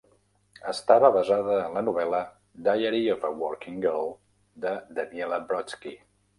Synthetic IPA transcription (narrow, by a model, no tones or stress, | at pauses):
əst̪aβəβəzaðəːnlənuβ̞ɛlə | d̪ajəɾiɔfəwɔɾkiŋɡəlˠ | d̪əd̪əniɛləbɾɔt͡ski